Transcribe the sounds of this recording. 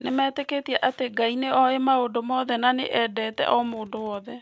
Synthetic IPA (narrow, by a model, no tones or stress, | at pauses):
nemɛːteketiɛʔateɡaineɔemaodomɔðɛnanḛʔɛdɛːtɛ̰ʔɔmoːndowɔðɛ